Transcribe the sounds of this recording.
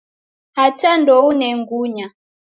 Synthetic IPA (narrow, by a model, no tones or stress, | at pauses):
hat͡ʃandɔunɛŋɡuɲa